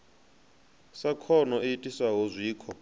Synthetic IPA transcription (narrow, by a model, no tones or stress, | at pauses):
sakʰɔnɔʔiitʼisaɦozʷiːkʰɔ